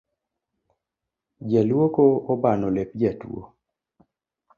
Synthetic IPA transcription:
d͡ʒalwokoɔbanɔlep̚d͡ʒatw̰o̰

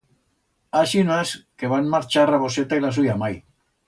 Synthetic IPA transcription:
aʃinaskeβanmaɾt͡ʃaraβoset̪ailasujamaj

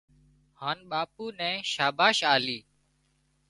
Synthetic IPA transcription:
haːnɓaːpuːnɛ̃ːʃaːbaːʃaːliː

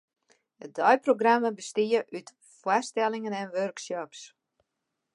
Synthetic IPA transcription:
ədɔjproɡraməbəstiəʔyt | fwastɛlɪŋənɛnʋørksɔps

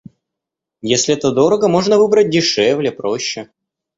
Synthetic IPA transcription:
jesʲlʲɪɛt̪əd̪o̞ɾəɡəmo̞ʐnəvɨbɾət̚ʲdʲɪʂɛvlʲɪpɾoɕːɪ

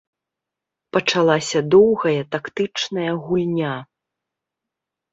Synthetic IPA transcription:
pɐt͡ʂalˠasʲɐd̪ɔwɣɐjɐt̪akt̪ɨt͡ʂnɐjɐɣulʲnʲa

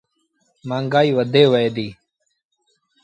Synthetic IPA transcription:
mãːŋɡaːiːʋəd̪eːʋəeːd̪iː

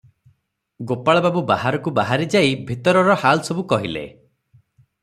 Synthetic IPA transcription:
ɡopaɭɔbabubahaɾɔkubaɦaɾid͡ʒajbʱit̪ɔɾɔɾɔhalsɔbukɔɦilḛ

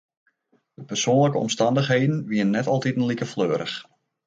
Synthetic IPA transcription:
d̥əpərsoːnləkəɔ̰mstɑndəxɦejdən̩ʋiənnːɛtɑlˠtitənlikəfløːɾʔəx

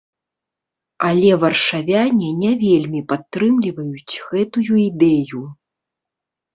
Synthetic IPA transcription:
ɐlʲɛvɐrʂavʲanʲɛnʲɛvʲelʲmʲipat̪ːɾɨmlʲivɐjut͡sʲɣɛt̪ujuid̪ɛju

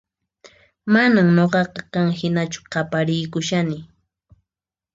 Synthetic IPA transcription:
manamɲoɢɑqɑkaŋhɪnat͡ʃʊ̥qɑpaɾɪjkʊʃanɪ

